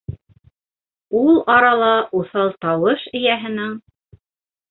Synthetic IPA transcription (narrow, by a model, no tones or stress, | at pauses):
ulˠɑɾɑlˠɑʔuθɑlˠt̪ɑwɤʃɘ̆jæɦɘ̆nɘŋ